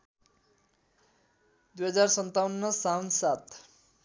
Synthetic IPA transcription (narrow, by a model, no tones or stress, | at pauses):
d̪ujɦʌd͡zarsʌnt̪awunːʌsawnsat̪ʰ